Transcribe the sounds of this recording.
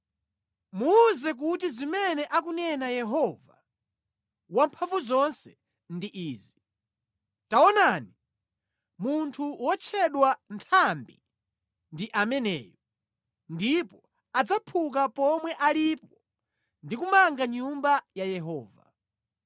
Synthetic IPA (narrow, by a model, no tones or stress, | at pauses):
muːzɛk̬utizimɛnɛʔak̬unɛnajɛɦɔva | wampʰaɱvuzɔnsɛ | ndiʔiːzi | taɔnani | muntʰuwɔt͡ʃʰɛɗwantʰambḭ | ndiʔamɛnɛ̰ːjɔ | ndipɔ | ad͡zapʰuk̬apɔmwɛʔalipɔ | ndikumaŋɡaɲumbajajɛɦɔːva̰